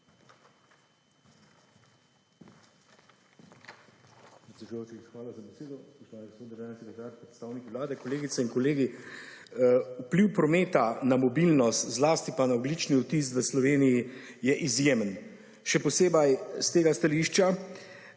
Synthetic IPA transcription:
pɾɛt̪sɛd̪ujowt͡ʃixʋaːlazabɛseːd̪ɔspɔʃt̪ʋaːnɛɡospod̪d̪ɾʒaːnɛsɛkɾɛt̪aːɾpɾɛt̪st̪aːwnikiʋlaːd̪ɛkɔleːɡit̪sɛiŋkɔleːɡi | upliwpɾɔmeːt̪anamɔbilnɔst̪zlaːst̪ipanaɔɡlit͡ʃniut̪isʋəslɔʋeːniji | jɛʔizjeːmən | ʃɛpɔseːbajst̪eːɡast̪aliʃt͡ʃa

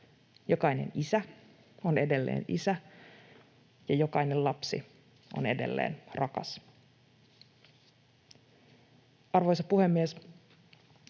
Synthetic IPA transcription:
jo̞kɑjne̞̰nisæ | one̞de̞lːḛːnḭsæ | jɑjo̞kɑjne̞llɑpsḭ | o̰ne̞de̞̰lːḛːnrʔɑkɑ̰s | ɑrʋojsɑpuhe̞mːies

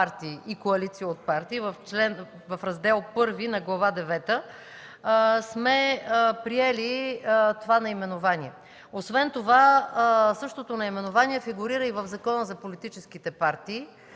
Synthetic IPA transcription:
aɾt̪iːʔikoɐlit̪sijəot̪̚paɾt̪iːvɐft͡ʃlɛn | vɐfɾɐzd̪ɛlˠpɤɾvinɐɡlˠɐvad̪ɛvɛt̪ə | smɛpɾiɛlit̪ovanɐimɛnovaniɛ | osvɛnt̪ova | sɤʃt̪ot̪onɐimɛnovaniɛfiɡʊɾiɾəivəvzɐkɔnəzɐpolit̪it͡ʃɛskit̪ɛpaɾt̪iː

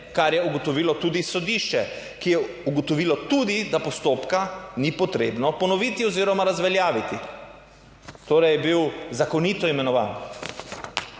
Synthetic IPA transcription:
kaɾjɛuɡɔt̪ɔʋiːlɔt̪uːd̪isɔd̪iʃt͡ʃɛ | kijɛ | uɡɔt̪ɔʋiːlɔt̪ud̪id̪apɔst̪oːpkanipɔt̪ɾeːbnɔpɔnɔʋiːt̪iɔziːɾɔmaɾazʋɛljaːʋit̪i | t̪oːɾɛjɛbiwzakɔnit̪ɔimɛnɔʋa̰ːn

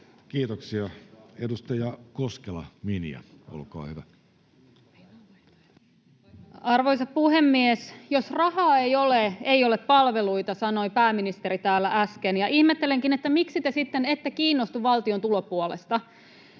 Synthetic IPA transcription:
kiːt̪oksiɑedust̪ɑjɑkoskelɑ̰minḭæ̰ | o̰lkɑ̰ːhyʋæ | ɑrʋoisɑppuɦe̞mːiesjo̞srɑhɑːejoleeioleppɑlʋe̞lujt̪ɑsɑno̞ipæːminist̪e̞ɾit̪æːlːæʔæskenjɑʔihmet̪ːeleŋkinet̪ːæmiksit̪esit̪ːene̞t̪ːekiːnːost̪uʋɑlt̪io̞nt̪ulo̞puolḛst̪ɑ

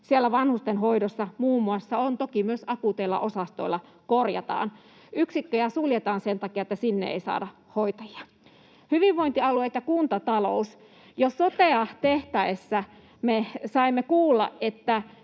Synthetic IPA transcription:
sielːæʋɑnhust̪enhoidosːɑmuːmːuɑsːɑont̪okimyøsɑkut̪eilːɑ̰ʔosɑst̪oilːˑɑ | korjɑ̰t̪ɑ̰ːn | yksikːøjæsuljet̪ɑːnsent̪ɑkiɑet̪ːæsinːḛḛisɑ̰ːdɑ | hoit̪ɑjiɑ | hyʋiʋʋoint̪iɑluet̪jɑkunt̪ɑt̪ɑlo̰us | jossot̪eɑt̪eht̪æesːæ | mesɑimːekuːlːɑ̰ʔʔet̪ːæ

